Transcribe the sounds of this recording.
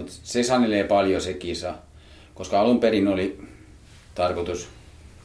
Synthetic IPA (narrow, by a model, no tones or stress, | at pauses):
ut̪sesɑneleːpɑljosekiːsɑ | koskɑɑlumperinoli | t̪ɑrkot̪us